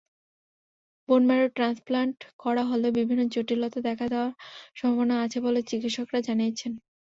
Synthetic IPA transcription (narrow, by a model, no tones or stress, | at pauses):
bonmaɾoʈɾansplaɳʈkɔɾaɦolobibʱinːot͡ɕoʈilot̪ad̪ɛkʰad̪eoaɾʃɔ̃mbʱabonaat͡ɕʰebolet͡ɕikitʃokɾad͡ʑanijet͡ɕʰen